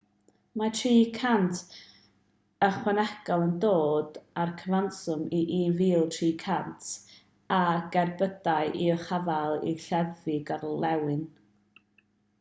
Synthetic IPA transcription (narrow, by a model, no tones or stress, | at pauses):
matʰriːkʰantʰ | əχwɛnɛɡ̥ɔlˠəndoːdarkʰəvansʊmiʔiviːlˠtʰriːkʰantʰ | aɡɛrbədaɨʔiɔχavalˠḭɬɛvɪɡarlɛwɨn